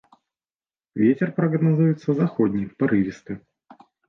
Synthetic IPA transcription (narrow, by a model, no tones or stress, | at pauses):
vʲetʲɪrpɾɐɡnɐzujɪt̪səzɐxodʲnʲɪpɐɾɨvʲɪst̪ɨ